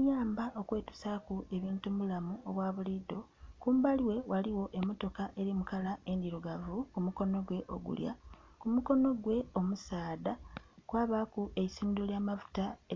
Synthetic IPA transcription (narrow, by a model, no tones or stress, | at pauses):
jaːmbaʔo̞kwe̞ːtu̥sakue̞βiːntuβulamuo̞βwaːβulido̞ | kuːmbaliwe̞waliwo̞ʔe̞mo̞to̞kaʔe̞ɾimukalae̞ndiɾuɡavukumuko̞no̞ɡwe̞ʔo̞̰ɡṵlja̰kumuko̞no̞ɡwe̞o̞musaːdakwaːβakuʔe̞isiːndoljaːmavu̥ta